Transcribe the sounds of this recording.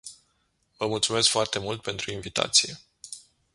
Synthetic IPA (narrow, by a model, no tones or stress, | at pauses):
vəmult̪sume̞skfoart̪e̞mult̪̚pe̞nt̪ɾuinvit̪a̰t̪sije̞